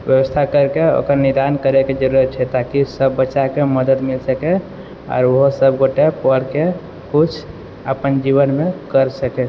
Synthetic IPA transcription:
ʋjəwəst̪ʰakəɾkeo̰kəɾniɾd̪ankəɾeked͡ʒəɾuɾət̪t͡ʃʰɛt̪akisəbːətːʃakeməd̪əd̪milsəke | ɔ̰ːɾoɦosəbɡoʈepəɽke | kut͡ʃʰ | ə̰pənd͡ʒiβənmekəɾsəke

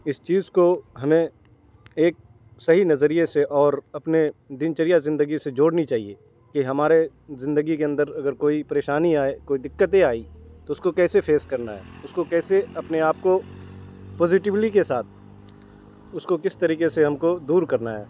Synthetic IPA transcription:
ɪst͡ʃiːzkoɦɐmẽ | eːk̚ | sɐɦinɐzəɾijeseʔɔːɾɐpned̪ɪnt͡ʃəɾijazɪ̃nd̪əɡised͡ʒoːɽnit͡ʃaːɦḭe | kiɦɐmaːɾe | zɪ̃nd̪əɡikeɐ̃nd̪əɾɐɡəɾkoːipɐɾeːʃaːniaːekoːid̪ɪkːət̪eaːit̪oʊskokɛːsepʰeːskɐɾnaɦɛ̰ːʊskokɛːseɐpneaːp̚ko | pɔːzɪʈɪʋɪʈikesaːt̪̚ʰ | ʊskokɪst̪ɐɾiːkeseɦɐmkod̪uːɾkɐɾnaɦɛː

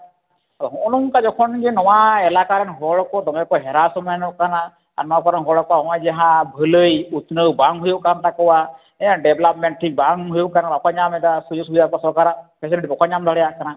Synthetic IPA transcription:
aaɦɔnuŋkad͡ʒɔkʰɔnɡɛnɔwaɛlakaɾɛnɦɔɭkɔd̪ɔŋɛkɔɦɛɾasɔmanɔkana | aɾnɔwakɔɾɛnɦɔɭɔkɔwaɔwajd͡ʒaɦãbʱələjut̪nəwbaŋɦujoʔkant̪akɔwa | ɛãɖɛbɛlap̚mɛɳʈ̚ʈʰik̚baŋɦujokanaɾɔkaɲamɛd̪asud͡ʒɔs̬ubid̪akɔasɔɾkaɾapʰɛs̬iliʈipɔkaɲamd̪ʱaɽɛjakana

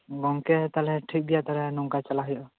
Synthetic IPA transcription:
ɡɔŋkɛt̪alɛʈʰik̚d̪ijat̪aɾɛnɔŋkat͡ʃalaɦɔjʔɔ

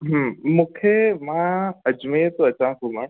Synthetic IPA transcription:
ɦmũːkʰemãɐd͡ʑmet̪oɐt͡ɕãːkomaɳ̃

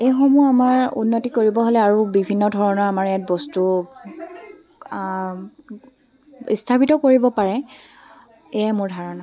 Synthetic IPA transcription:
ejxɔmuamaɹṵnːotikoɹibɔɦolɛaɹubibʱinːɔdʱɔɹɔnɔɹamaɹjat̚bɔstu | ḭstʰapitɔkoɹibɔpaɹɛ | ejamʊɹdʱaɹɔna

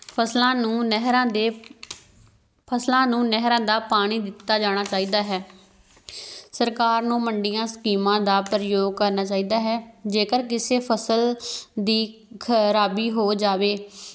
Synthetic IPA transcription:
pʰəslãːnũːɦɾãːd̪eː | pʰəslãːnũːnɛɦɾãːd̪aːpaːɽ̃iːd̪ɪt̪ːaːd͡ʒaːɽ̃aːt͡ʃaːiːd̪aːɦɛː | səɾkaːɾnũːməɳɖijãːskiːmãːd̪aːpɾəjoːɡ̚kəɾnaːt͡ʃaːiːd̪aːɦɛːd͡ʒeːkəɾk̬ɪseːpʰəsəld̪iːkʰəɾaːbiːɦoːd͡ʒaːʋeː

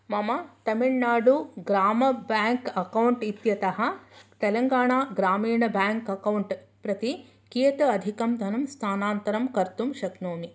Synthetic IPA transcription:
mɐmɐt̪ɐmiɭnaːɖuɡɾaːmɐbjaːŋkɐkɐwɳʈit̪jɐt̪ɐɦɐ̆t̪ɛlɐŋɡaːɳaːɡɾaːmiːɳɐbaːŋkɐkɐwɳʈpɾɐt̪i | kijɐt̪ɐɐd̪ʱikɐmd̪ʱɐnɐmst̪ʰaːnaːnt̪ɐɾɐmkɐɾt̪umʃɐknoːmi

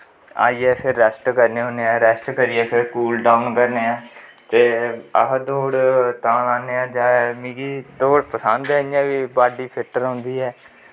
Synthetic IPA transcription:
a̰ːiːɛːpʰɪɾːɛsʈkəɾneːɦõːneːãːɾɛsʈkəɾiːɛːpʰɪɾskuːlɖaːʊnkəɾneːãːt̪eːəɦd̪oːɽt̪ãːlaːneːãːd͡ʒaːmiːɡiːd̪oːɽpəsãːnd̪ɛːjãːʋiːbaːɖiːpʰɪʈəɾɦõnd̪iːɦɛː

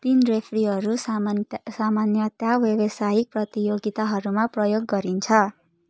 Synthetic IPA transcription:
t̪inrepʰriɦʌɾu | samanjʌt̪jawjʌwʌsajik̚prʌt̪ijoɡit̪aɦʌɾumaprʌjoɡːʌɾint͡sʰʌ

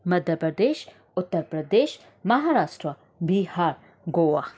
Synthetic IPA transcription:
mɐd̪jɐɾpɾɐɾd̪eːʃ | ʊt̪ːəɾpɾɐd̪eːʃ | mɐɦaɾaːsʈɾɐ | bihaːɾ | ɡowa

